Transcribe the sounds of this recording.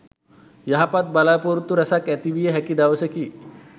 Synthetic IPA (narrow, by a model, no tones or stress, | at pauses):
jaɦapat̪̚balapoɾut̪ːuɾɐsakɛt̪ibijeɦɛkid̪aʋəseki